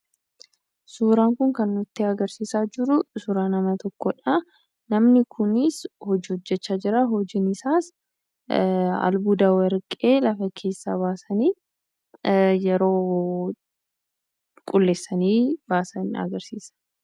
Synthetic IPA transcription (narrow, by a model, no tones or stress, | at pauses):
suːɾaːŋkʊŋkɐnːʊt̪ːɪɐɡɐɾsiːsaːd͡ʒɪɾʊsuɾaːnɐmɐt̪ɔkːɔᶑɐ | nɐmnɪkʰʊnɪshɔd͡ʒihɔd͡ʒːɛt͡ʃːaːd͡ʒɪɾɐɦɔd͡ʒɪnɪsaːs | ɐ̰lbuːd̪ɐwɐɾkʼe̞ːlɐfɐkʰe̞ːsːa̰baːsɐniː | jɛɾo̞ː | kʼʊlːeːsːɐniːbaːsɐnɐ̰ɡɐɾsiːsɐ̥